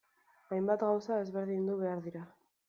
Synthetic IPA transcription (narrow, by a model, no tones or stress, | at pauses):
ajmbat̪ɣawsae̞zβe̞ɾðind̪uβe̞aɾðiɾa